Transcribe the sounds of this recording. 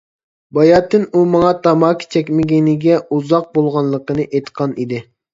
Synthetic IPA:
bɑjɑːt̪ːɨnumɑŋɑt̪ʰɑmɑːkʲʰi̥t͡ʃʰɛkʲmɪɡʲenɪɡʲɛuzɑq̚bolˠʁɑnlˠəqənɨʔejt̪qʰɑnid̪ɪ

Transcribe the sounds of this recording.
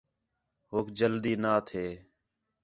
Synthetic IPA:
ɦoːkʰd͡ʒəld̪iːnaːt̪ʰeː

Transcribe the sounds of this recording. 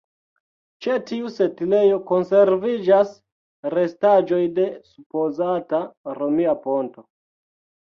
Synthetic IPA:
t͡ʃetiuse̞tile̞jo̞ko̞nse̞ɾvid͡ʒas | ɾe̞stad͡ʒo̞jde̞supo̞zataɾomiapo̞nto̞

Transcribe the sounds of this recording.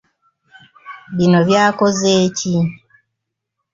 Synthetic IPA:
βinoβjaːkozeːci

